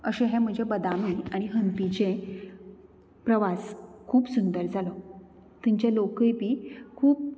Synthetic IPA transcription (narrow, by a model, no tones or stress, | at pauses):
əɕẽɦɛ̃m̤əd͡ʑebəd̪amoiaɽ̃iɦənp̪it͡ɕẽ | pɾəʋaskʰuːpsund̪əɾd͡zalɔ | t̪iɲt͡ɕelokepiːkʰuːp̚